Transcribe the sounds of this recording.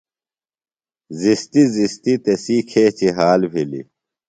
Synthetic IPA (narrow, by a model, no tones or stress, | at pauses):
zist̪izist̪it̪ɐsikʰeːt͡ɕiɦaːlbʱilḭ